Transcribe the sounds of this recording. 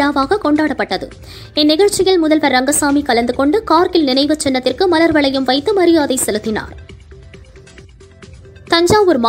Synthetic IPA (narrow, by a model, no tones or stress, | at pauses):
aːʋaːɣɐkɔɳɖaːɽɐpːɐʈːɐðɯ̰ | ɛnːɪɣɐɻt͡ʃːɪɣɐɭmʊðɐlʋɐɾːɐŋɡɐsaːmikɐlɐnd̪ɯkɔɳɖɯkaːɾkɪlnɪnɐɪʋɐt͡ʃːɛnːɐt̪ːɪrkɯmɐlɐɾʋɐɭɐjɯmʋɐɪt̪ːɯmɐɾɪjaːðɐɪsɛlɯt̪ːɪna̰ːɾ | t̪ɐɲd͡ʒaːmɔɾɯma